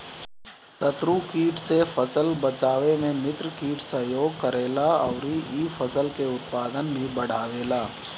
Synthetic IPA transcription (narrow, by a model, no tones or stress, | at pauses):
sət̪ɾukiːʈsefʰəsəlbət͡ʃaːʋemẽmɪt̪ɾkiːʈʰsəɦjoːɡkəɾeːlaɔːɾiiːfʰəsəlkeʊt̪paːd̪ənbʱibəɽ̤aːʋeːlaː